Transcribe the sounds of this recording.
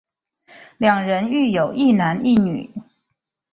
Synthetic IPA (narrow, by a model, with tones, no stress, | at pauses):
ljɑ˨˩ŋɻə˧˥ny˥˩jo˨˩ʊʔi˥˩na˧˥ni˥˩ny̰˨˩˦